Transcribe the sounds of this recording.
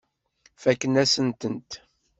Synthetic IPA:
fækːnæsənt̪ənt̪

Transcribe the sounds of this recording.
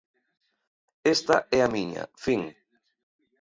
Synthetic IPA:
est̪ɐʔɛamiɲa̰fiŋ

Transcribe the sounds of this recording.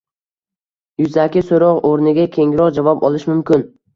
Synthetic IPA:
jʊzakʲɪsoɾɒʁoɾnɪɡʲakʲʰe̞ŋɪɾɒqd͡ʒavɒpɒlˠɪʃmʊmkʲɪn

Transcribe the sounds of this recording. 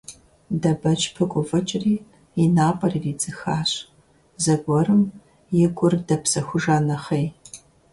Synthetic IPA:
dɐbɐt͡ʃʼpʰɨɡʷʼʊvɐt͡ʃʼɪriː | inaːpʼɐriːriːd͡zʼɨxaːɕ | zɐɡʷɔɾɨm | jɪɡʷʼʊrdɐpsɐxʷʊʒaːnɐχɐj

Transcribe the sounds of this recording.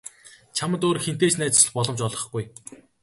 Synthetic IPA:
t͡ɕʰamə̆t̪oːɾxent̪eːt͡ɕnæːt͡s̆sɮ̆χpɔɮɞ̆mt͡ɕɔɮʁɞ̆χɡuj

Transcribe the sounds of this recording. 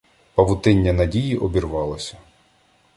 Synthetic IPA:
pɐʋʊt̪ɪnʲːɐnɐdʲijiʔɔbʲirʋɑlˠɐsʲɐ̥

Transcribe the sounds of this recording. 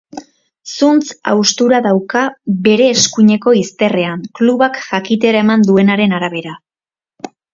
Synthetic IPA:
sunt͡sa̰wst̪uɾaðawkabe̞ɾe̞ːskuɲe̞ko̞ist̪e̞re̞aŋkluβakʝakit̪̬e̞ɾae̞mand̪ue̞naɾe̞naɾaβ̞e̞ɾa

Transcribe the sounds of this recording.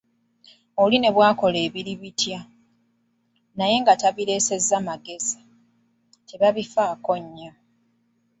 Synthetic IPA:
oline̞βwaːko̞le̞ːβiliβitja | naje̞ŋɡataβile̞ːse̞zamaɡe̞zi | teβaβifaːko̞ɲːo̞

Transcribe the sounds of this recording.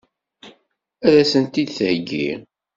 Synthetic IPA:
æðæsənt̪id̪θəhəɡːḭʁ

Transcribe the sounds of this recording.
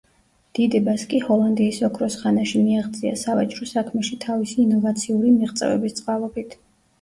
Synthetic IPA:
d̪̥id̪ɛbaskʼihɔlˠand̪iːsɔkʰɾɔsχanaʃimiaʁd̪zʼia̰savat͡ʃʼɾɔsakʰmɛʃit̪ʰavisiːnɔvat̪sʰiuɾimiʁt̪sʼɛ̰vɛ̰bist̪sʼqʼavˠɔbit̪ʰ

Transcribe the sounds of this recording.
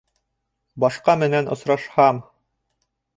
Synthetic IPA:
bɑʃqɑmɘ̆nænŏ̰sɾɑʃhɑm

